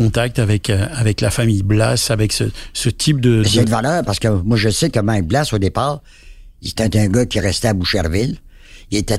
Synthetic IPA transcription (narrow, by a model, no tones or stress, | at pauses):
ɔ̃t̪ak̚t̪avɛkʰavɛklafamijblasavɛksəsət̪ʰip̚d̪əsɛd̪valœːʁpaʁsə̥kəmwaʒəsekəmɛ̃blasod̪epaːʁ | ise̥t̪ɛ̃t̪ɛ̃ɡʌkʲiʁɛst̪ɛabuʃeʁvɪl | ilet̪ɛ